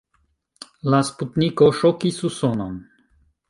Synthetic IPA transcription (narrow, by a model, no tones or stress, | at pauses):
lasput̪nikɔʃɔkisusɔnan